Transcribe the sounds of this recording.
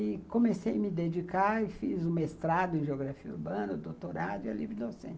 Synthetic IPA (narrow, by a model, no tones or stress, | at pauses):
ɪkõmesejɐmɪd̪ed͡ʒikaɪfizũmɐest̪ɾad̪ʊẽʒeoɡɾafiɐuɾbɐ̃nɐd̪owt̪oɾad̪ʊiolivid̪osḛ̃